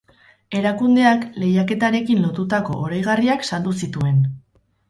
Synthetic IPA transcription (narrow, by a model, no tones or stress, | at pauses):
e̞ɾakund̪e̞akle̞jake̞t̪aɾe̞kinlo̞t̪ut̪ako̞̰ʔoɾajɣ̞ariaksald̪usit̪ue̞n